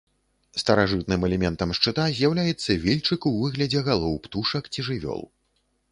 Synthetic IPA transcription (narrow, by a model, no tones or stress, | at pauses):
st̪ɐɾaʐɨt̪nɨmɛlʲɛmʲɛnt̪ɐmʂt͡ʂɨt̪azʲjawlʲajɛt̪sːɐvʲilʲt͡ʂɨkuvɨɣlʲɐd͡zʲɛɣalˠɔwpt̪uʂɐkt͡sʲiʐɨvʲɔ̰lˠ